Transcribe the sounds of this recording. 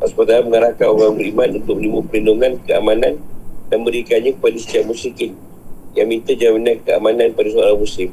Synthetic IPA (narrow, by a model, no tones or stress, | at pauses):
aspat̪alaməŋəɾahkanoɾaŋbəɾimanunt̪ʊk̚mənibupəlinduŋankəa̰manandanbəɾikanɲapadist̪iaʔmusikɪn | jaŋmint̪ad͡ʒaminakəa̰manãnpadasoaɾamusɪm